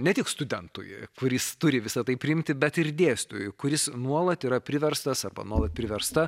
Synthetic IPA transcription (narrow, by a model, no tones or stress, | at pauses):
nʲɛt̪ʲɪkst̪ʊd̪ʲɛnt̪ṵjkʊɾʲɪst̪ʊɾʲɪʋʲɪsɐt̪ɐɪpʲɾʲɪɪmʲt̪ʲɪbʲɛt̪ɪrd̪ʲeːsʲt̪ṵjkʊɾʲɪsnuɔlˠɐt̪iːɾɐpʲɾʲɪʋʲɛɾst̪ɐsɐrbɐ̰nuɔlˠɐt̪̚pʲɾʲɪʋʲɛɾst̪ɐ